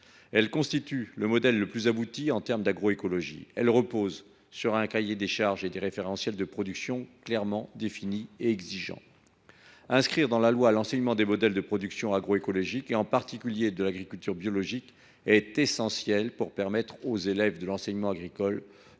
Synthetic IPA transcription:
ɛlkɔ̃st̪it̪yləmɔd̪ɛlːəplyzabut̪iɑ̃t̪ɛʁmd̪aɡʁɔekɔlɔʒḭɛlʁəpoz | syʁɛ̃kajed̪eʃaʁʒed̪eʁefeʁɑ̃sjɛld̪əpχɔd̪yksjɔ̃klɛʁmɑ̃d̪efinieɛɡziʒɑ̰̃ | ɛ̃skχiʁd̪ɑ̃lalwalɑ̃sɛɲmɑ̃d̪emɔd̪ɛld̪əpχɔd̪yksjɔ̃aɡʁoekɔlɔʒikeɑ̃paʁt̪ikʲyljed̪əlaɡʁikʲylt̪yʁbjɔlɔʒik | ɛt̪esɑ̃sjɛlpuʁpɛʁmɛt̪χozelɛvd̪əlɑ̃sɛɲmɑ̃aɡʁikɔl

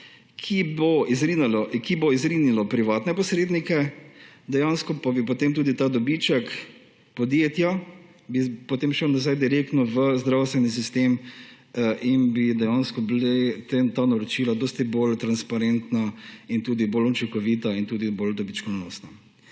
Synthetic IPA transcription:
kʰiboizɾinlkiboizɾinilɔpɾiʋaːt̪nɛpɔsɾeːd̪nikɛd̪ɛjanskɔpabipɔt̪emt̪uːd̪it̪ad̪ɔbit͡ʃɛk | pɔd̪jet̪ja | bipɔt̪emʃəwnazajd̪iɾek̚t̪nɔʋəzd̪ɾawst̪ʋɛnis̬ist̪em | ʔinbid̪ɛjanskɔblet̪t̪anaɾɔt͡ʃiːlad̪ɔːst̪ibolt̪ɾanspaɾɛnt̪naint̪uːd̪ibolut͡ʃiŋkɔʋit̪aint̪uːd̪ibold̪ɔbit͡ʃkɔnoːst̪na

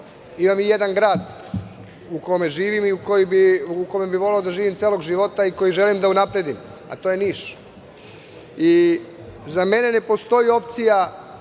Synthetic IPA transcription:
imamije̞d̪anɡɾaːd̪ | ukome̞ʒiːʋimiukojibiuko̞me̞biʋo̞le̞od̪aʒiːʋimt̪eːlo̞ɡʒiʋo̞t̪aiko̞jiʒe̞limd̪aunapɾe̞d̪ima̰t̪o̞je̞niːʃ | i | zame̞ne̞ne̞po̞st̪o̞jio̞p̚t̪sija

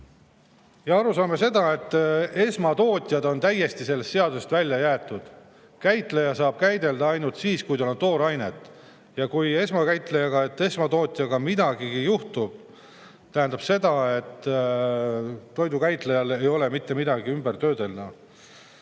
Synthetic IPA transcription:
jɑɑɾusɑːme̞se̞d̪ɑe̞t̪ːˑe̞smɑt̪o̞ːt̪ʲˑjɑd̪o̞nt̪æjːe̞st̪ise̞lːe̞st̪se̞ɑd̪usest̪vælʲːjɑjæːt̪ːˑud̪̥ | kæjt̪ˑlejɑsɑːb̥̚kæjd̪e̞ld̪̥ɑɑjnult̪siːskujt̪olont̪o̞ːɾɑjne̞t̪ˑː | jɑkuje̞smɑkæjt̪ˑlejɑɡ̥ɑe̞t̪ːe̞smɑt̪o̞ːt̪ʲˑjɑɡ̥ɑmid̪ɑɡ̥iɡ̥ijuht̪ub̥ | t̪æɦænd̪̥ɑb̥se̞d̪ɑe̞t̪ː | o̞jd̪ukæjt̪lejɑle̞jo̞le̞mit̪ːe̞mid̪ɑɡiymbert̪ø̞ːd̪e̞ld̪ɑ

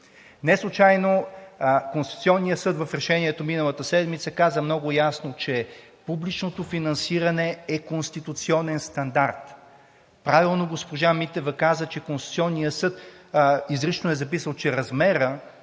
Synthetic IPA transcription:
nɛslˠʊt͡ʃajno | konst̪i̥t̪ut̪siɔnːijəsɤd̪vɐfɾɛʃɛniɛt̪ominəlˠət̪əsɛd̪mit̪səkazəmnɔɡʊjasnot͡ʃɛ | publit͡ʃnot̪ofinɐnsiɾɐnɛɛkonst̪it̪ut̪siɔnɛnst̪ɐnd̪aɾt̪ | pɾavilˠnoɡospoʒamit̪ɛvɐkazət͡ʃɛkonst̪u̥tsʲiɔnːijəsɤt̪ | izɾit͡ʃnonɛzɐpisəlˠt͡ʃɛɾɐzmɛɾə

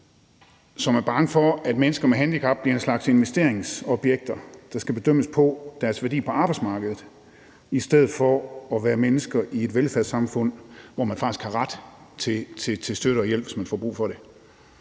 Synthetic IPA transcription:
sɒ̽mæɐb̥ɑ̈ŋəfɒ̽æd̥menəsɡ̥ɐmeɦænd̥ikʰɑ̈b̥̚b̥liɐe̝nslɑ̈ɡ̥se̝nʋesd̥e̝ɐ̰e̝ŋsɒ̽b̥jeɡ̥̚d̥ɐd̥ɑ̈sɡ̥æb̥e̝d̥øm̰əspʰɒ̽d̥æɐsʋæɐdḭːpʰɒ̽ɑ̈ːb̥ɑ̈ɪd̥smɑ̈ːɡ̥əðð̩ˠ | isd̥eð̩ˠfɒɒʋæːɐmenəsɡ̥ɐie̝d̥ʋelfæɐðˠsɑ̈mfɔ̽n̰ʋɒmænfɑ̈ɡ̥isɡ̥hɑ̈ʁad̥t͡sʰe̝t͡sʰe̝t͡sʰe̝sd̥øɾ̥əɒ̽jel̰b̥ʋe̝smænfɒ̰ːb̥ʁṵːfɒ̽ɾ̥e̝

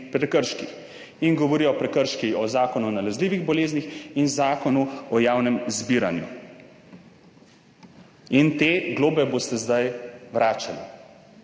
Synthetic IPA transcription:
pɾɛkəɾʃkix | inɡɔʋɔɾijɔpɾɛkəɾʃkiɔzaːkɔnunalɛzliːʋiɣbɔleːznixinzaːkɔnuɔjaːwnɛmzbiːɾa̰njṵ | int̪eːɡloːbɛbost̪ɛzd̪ajʋɾaːt͡ʃalḭ

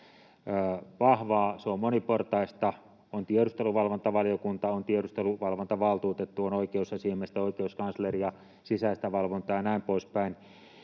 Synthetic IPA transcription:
ʋɑhʋɑːseommoniport̪ɑist̪ɑ | ont̪ieɾust̪eluʋɑlʋont̪ɑʋɑliokunt̪ɑont̪ieɾust̪eluʋɑlʋont̪ɑʋɑlt̪uːt̪et̪ːuonoikeusːɑsiemest̪æoikeuskɑnslerijɑ | sisæist̪æʋɑlʋont̪ɑjɑnæˑimpoˑispæin

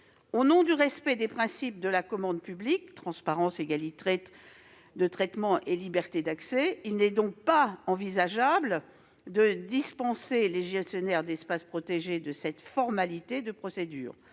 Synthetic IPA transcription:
onɔ̃d̪yʁɛspɛd̪epχɛ̃sip̚d̪əlakɔmɑ̃d̪pyblik̚t̪χɑ̃spaʁɑ̃seɡalit̪et̪ | d̪ət̪χɛt̪mɑ̃ʔelibɛʁt̪ed̪aksɛilnɛd̪ɔ̃k̚paɑ̃vizaʒabl | d̪əd̪ispɑ̃seleʒɛsjɔnɛʁd̪ɛspaspχɔt̪eʒed̪əsɛt̪fɔʁmalit̪ed̪əpχɔsed̪y̰ːʁ

